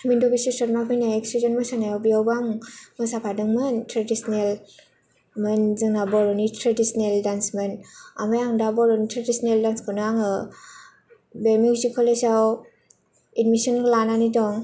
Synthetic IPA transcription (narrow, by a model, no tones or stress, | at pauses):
mindɔbisisɔt̚mapʰɯjnajeksizɔnmɯsanajɔbijawbaŋmɯsapʰadɯŋmɯntʰɾadisnel | mɯnzɯŋnabɔɾɔnitʰɾadisneldansmɯna̰majaŋdabɔɾɔnitʰɾadisɔneldanskʰɯnaŋɯ | beɾmjukzikʰɔlesaw | idmisɔnklananidɔŋ